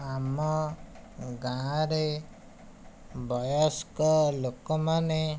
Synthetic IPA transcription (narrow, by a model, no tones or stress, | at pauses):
amɔ | ɡãɾe | bɔjɔskɔlokɔmane